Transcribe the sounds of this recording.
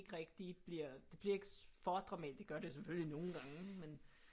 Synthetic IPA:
ɡ̥əʁɛɡ̥̚d̥ib̥liɐ̰d̥e̝b̥liɐe̝ɡ̥fɒd̥ʁɑ̈mɛ̰ːd̥e̝ɡ̥ɶɐd̥eseføllino̝ːn̩ɡ̥ɑ̈ŋəe̥men

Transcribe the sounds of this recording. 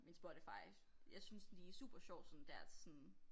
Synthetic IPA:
minsb̥ɔɐd̥efɑ̈ɪ̰ | jɑ̈ɪsynsdisṵːb̥ɐɕɒʊ̰̥sɔ̽nd̥æɐ̰̥sɔn

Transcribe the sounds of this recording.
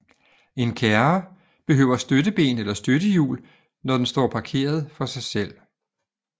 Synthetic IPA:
e̝nkʰæɐ | b̥e̝ɦø̰ʊ̰ɐsd̥ødəb̥e̝̰ːnelɐsd̥ød̥əjṵːl | nɒd̥ensd̥ɒ̰ːpʰɑ̈kʰe̝̰ːɐð̞ˠfɒ̽sɑ̈ɪsel̰

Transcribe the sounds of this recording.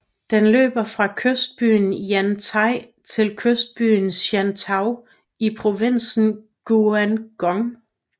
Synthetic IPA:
d̥enlø̰ːb̥ɐfʁɑ̈kʰøsd̥̚b̥y̰ːnjænt͡sʰɑ̈ɪ̰ | t͡sʰe̝lkʰøsd̥̚b̥y̰ːn̩sjænt͡sʰɑ̈ʊ | ipʰʁo̝ʋen̰sn̩ | ɡ̥uænɡ̥ɒŋ

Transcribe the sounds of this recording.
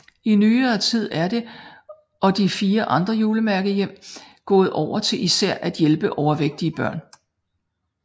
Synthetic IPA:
inyːɐːt͡sʰið̞̰ˠæɐde̝ | ʔɒ̽d̥ifiːɐʔɑ̈nd̥ʁɐjuːləmæɐɡ̥əjem̰ | ɡ̥ɔ̰̽ːð̞̩ˠʔɒʊ̰ɐt͡sʰe̝lʔisæɐ̰ʔæd̥jelb̥əʔɒʊɐʋeɡ̥̚d̥iəb̥ɶɐ̰n

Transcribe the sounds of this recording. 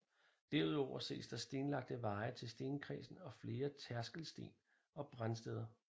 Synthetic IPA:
d̥æɐuð̞ˠɒʊɐse̝̰ːsd̥ɑ̈sd̥e̝ːnlɑ̈ɡ̥̚d̥əʋɑ̈ɪt͡sʰe̝lsd̥e̝ːnkʰʁɛ̰sn̩ɒ̽fle̝ːɐt͡sʰæɐsɡ̥əl̩sd̥e̝̰ːn | ɒ̽b̥ʁansd̥eð̞ˠɐ

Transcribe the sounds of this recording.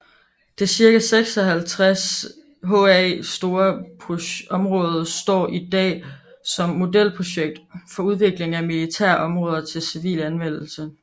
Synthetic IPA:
d̥e̝siɐɡ̥æseɡ̥sɒɦælt͡sʰʁas | ɦoɛsd̥o̝ːɐpʰoɒ̽mʁɔ̽ːð̞ˠɐsd̥ɒ̰ːʔid̥ɛ̰ː | sɒ̽mːo̝del̰pʰʁo̝ɕeɡ̥̚d̥fɒ̽uð̞ˠʋe̝ɡ̥le̝ŋæmilit͡sʰæɐ̰ʔɒ̽mʁɔ̽ːð̞ˠɐt͡sʰe̝lsiʋḭːlænʋen̰l̩sə

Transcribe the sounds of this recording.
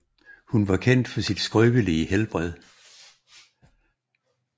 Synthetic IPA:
hunʋɑ̈kʰen̰d̥fɒ̽sid̥sɡ̥ʁœːb̥əliəhelb̥ʁɛð̰ˠ

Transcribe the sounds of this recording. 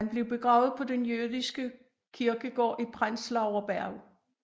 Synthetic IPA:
nb̥le̝ʊb̥e̝ɡ̥ʁɑ̈ʊð̩ˠpʰɒ̽d̥enjøðˠisɡ̥ə | kʰiɐɡ̥əɡ̥ɒ̰ːʔipʰʁan̰slɑ̈ʊɒb̥æɐ̰

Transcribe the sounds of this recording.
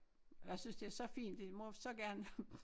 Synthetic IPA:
jäɪsynsd̥e̝æɐsɒ̽fḭːnd̥e̝mosɒ̽ɡ̥æɐn

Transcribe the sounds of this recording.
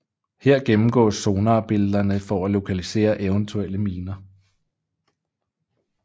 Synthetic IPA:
heɐ̰ɡ̥emm̩ɡ̥ɔ̰̽ːso̝ːnɑ̈b̥e̝ldɐnəfɒælo̝kʰælise̝̰ːɐʔeʊnt͡sʰueləmiːnɐ

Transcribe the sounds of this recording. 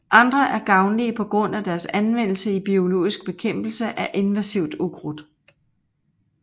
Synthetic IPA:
ʔɑ̈nd̥ʁɐʔæɐɡ̥ɑ̈ʊnliəpʰɒ̽ɡ̥ʁɔ̽n̰æd̥æɐsænʋen̰l̩səib̥io̝lo̝̰ːisɡ̥̚b̥e̝kʰem̰b̥l̩səʔæʔe̝nʋæsiʊ̰d̥uɡ̥ʁud̥

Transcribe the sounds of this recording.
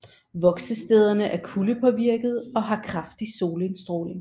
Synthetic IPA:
ʋɒ̽ɡ̥səsd̥eð̞ˠɐnəʔæɐkʰuləpʰɒ̽ʋiɐ̰ɡ̥ð̞̩ˠɒ̽ɦɑ̈kʰʁɑ̈fd̥iso̝ːləe̝nsd̥ʁo̝̰ːle̝ŋ

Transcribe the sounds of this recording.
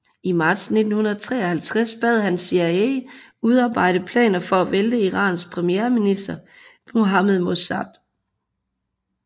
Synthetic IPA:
imɑ̈ːd̥sne̝d̥n̩hunɐðˠt͡sʰʁɛ̰ːɒhælt͡sʰʁasb̥ɛð̞̰ˠhænsiæe | uð̞ˠɑ̈ːb̥ɑ̈ɪ̰ɾ̥əpʰlɛ̰ːnɐfɒ̽æʋeld̥əiʁɑ̰̈ːnspʰʁɛmijeːɐminisd̥ɐ̥ | o̝ɦæmeðˠmosæd̥

